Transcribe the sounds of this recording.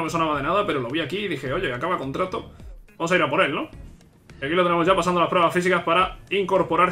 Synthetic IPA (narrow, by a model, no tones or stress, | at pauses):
ome̞sonaβaðe̞naðape̞ɾo̞lo̞β̞iakiːðixe̞o̞ʝe̞akaβako̞nt̪ɾat̪o̞baosaiɾapo̞ɾe̞lno̞ | iakilo̞t̪ene̞mo̞zʝapasand̪olaspɾe̞βasfisikaspaɾaiŋko̞ɾpo̞ɾaɾ